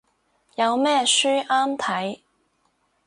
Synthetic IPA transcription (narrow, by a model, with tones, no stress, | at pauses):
jɐ˨˧wmɛː˥syː˥ʔaː˥mt̪ʰɐ˨˥j